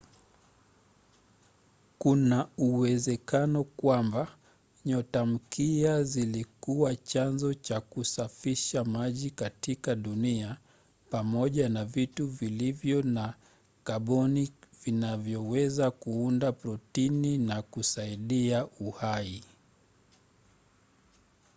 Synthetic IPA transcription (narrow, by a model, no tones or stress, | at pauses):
kunauwɛzɛkanɔkwamba | ɲɔtam̩kiazilikuwat͡ʃanzɔt͡ʃakusafiʃamaʄikatikaɗunia | pamɔʄanavituvilivjɔna | kaɓɔnivinavjɔwɛzakuundapɾɔtininakusaiɗiauhai